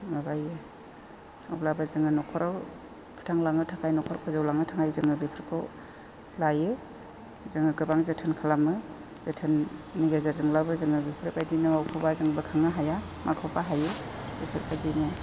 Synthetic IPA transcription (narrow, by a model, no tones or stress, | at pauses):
mabaje | awlabazɯŋɯnɔkʰɔɾa | pʰɯ̥tʰaŋlaŋɯtʰaŋajnɔkʰɔɾkʰɯzawlaŋɯtʰaŋajzɯŋɯbipʰɯɾkʰɯ̰ | laje | zɯŋɯɡɯbaŋzetʰɯnkʰalamɯ | z̥etʰɯnːiɡazazɯŋlabɯzɯŋɯbipʰɾɯpajdinɯmawkʰubazɯŋbɯkʰaŋaɦaja | makʰɔpaɦajebipʰɯɾkʰazinɯ